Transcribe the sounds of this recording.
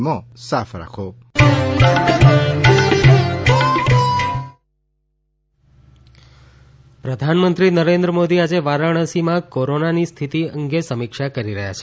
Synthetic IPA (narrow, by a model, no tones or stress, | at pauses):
mɔ̃safɾa̰kʰo | pɾəd̪ʱanmənt̪ɾinəɾend̪ɾəmod̪iad͡ʒeʋaɾəɳ̃əsimãkoɾonanist̪ʰit̪iəŋɡesəmikʃakəɾiɾəɦja̰t͡ʃʰe̥